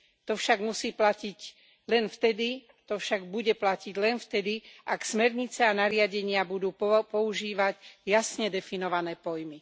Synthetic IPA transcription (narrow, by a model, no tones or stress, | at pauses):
t̪ɔfʃaɡmusiːplaciɟ | lɛnft̪ɛd̪i | t̪ɔfʃaɡ̚buɟɛplaciɟlɛnft̪ɛd̪iʔaksmɛɾɲit͡sɛanaɾɪaɟɛɲɪabud̪uːpɔuʒiːʋaɟjasɲɛd̪ɛfinɔʋanɛːpɔjmi